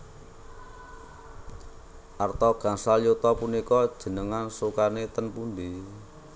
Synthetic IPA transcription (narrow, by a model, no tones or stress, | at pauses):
ʔart̪ɔɡ̥a̤ŋsaljot̪ɔpunikɔd̥ʒ̥ə̤nəŋansukanet̪ənpund̪i